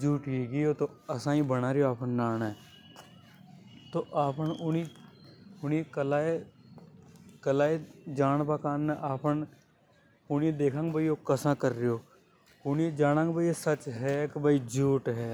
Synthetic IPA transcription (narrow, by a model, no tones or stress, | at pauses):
d͡ʒuːʈiːɡijoːt̪oːəsãːĩːbəɽ̃aːɾɪjoaːpənnaːna | t̪oːʔaːpəʊni | ʊnikəlaːe | kəlaːed͡ʒaːnpakaːnːẽʔaːpən | ʊnied̪eːkʰãːŋɡbaːijoːkəsãːkəɾːejoː | ʊnid͡ʒaːɽãːŋɡbʱaːiesət͡ʃɦɛːkbaːid͡ʒuːʈɦɛː